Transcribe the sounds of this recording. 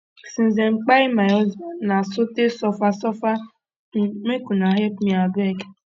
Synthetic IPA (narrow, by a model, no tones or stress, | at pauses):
sin̩zeŋ͡m̩k͡paɪmajɔzanasʊtesɔfasɔfa | mekunaɦepmiabʊeke